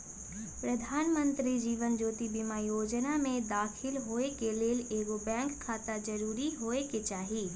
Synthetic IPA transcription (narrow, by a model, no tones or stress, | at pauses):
pɾɐd̪ʱaːnmə̃nt̪ɾid͡ʒiːʋənd͡ʒoːt̪ibimajoːd͡ʒnamẽd̪aːxʰɪlɦoːekeleːleːɡobɛ̃ːŋkʰːaːt̪ad͡ʒɐɾuːɾiɦoːeket͡ʃaːɦiː